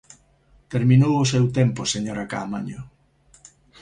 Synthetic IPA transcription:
t̪eɾmĩnowʊsewt̪empʊseɲoɾaka̰ːmaɲʊ

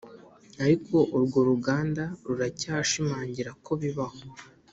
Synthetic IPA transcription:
aɾikʰo̞ʔuɾɡoɾuɡaːndaɾuɾacaːʃimaːɲɟiɾako̞βiβaho

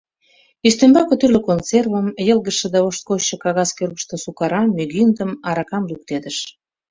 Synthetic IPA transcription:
yʃt̪embɑkə̆t̪yrløkonservəmjəlɣəʃĕd̪ɑoʃt̪̚koɕə̆kɑɣɑskørɣəʃt̪osukɑɾɑmyɣind̪əmɑɾɑkɑmluk̚t̪ed̪əʃ

